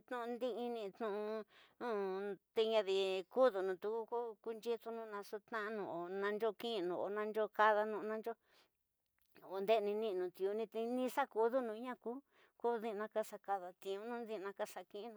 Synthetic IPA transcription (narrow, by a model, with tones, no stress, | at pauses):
t̪ũ˦˧ũ˧nd̪i˦i˧nĩ˧t̪nũ˧ũ˧ | t̪e˧ɲã˧ði˧ku˦ðu˨nũ˧t̪u˧ku˦kku˧nd͡ʒi˦t̪u˧nũ˧nã˧su˦t̪ã˦ʔnũ˧˨o˨nã˧nd͡ʒo˦kĩ˦˧nũ˨o̰˨nã˧nd͡ʒo˦ka˧ða˧nũ˧ʔnã˧nd͡ʒo˦˨ | o˨nd̪e˦˧nĩ˧nĩ˦˧nũ˨˧t̪i˧u˧nĩ˧t̪e˧nĩ˦sa˦ku˧˦ðu˦nũ˧˦ɲã˦ku˦ | ku˦ði˦˧nã˧ka˦˧sa˧ka˧ða˧t̪ĩ˧ũ˧˦nũ˦d̪ĩ˦˧nã˧ka˦˧sa˧kĩ˦˧˦nũ˧˨